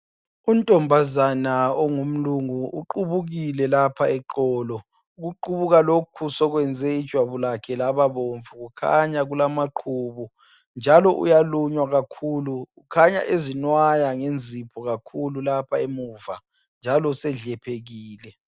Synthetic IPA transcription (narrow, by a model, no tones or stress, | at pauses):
untʼɔmbʱazanaɔŋum̩luŋuuǃuβuɣilɛlapʰaɛǃɔːlɔ | uɣuǃuβuɣalokʰusɔɣwɛnd͡zʱɛid̥ʒ̥ʱwaβulakʰɛlaβaβoɱfuɣukʰa̰ɲaɣulamaǃʰuːβu | nd͡ʒʱalɔʔṵjaluɲwaɣakʰuluukʰaɲa̰ʔezinwajaŋend͡zʱipʰɔɣakʰululapʰaemuːva | nd͡ʒʱalɔusɛɮɛpʰeɣiːlɛ